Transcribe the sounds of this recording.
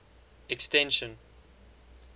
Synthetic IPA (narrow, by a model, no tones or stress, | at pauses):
ɛkstɛ̃nʃə̃n